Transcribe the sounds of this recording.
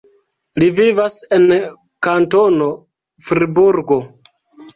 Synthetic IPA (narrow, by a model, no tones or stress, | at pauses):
livivase̞n | kantono̞ | fɾibuɾɡo̞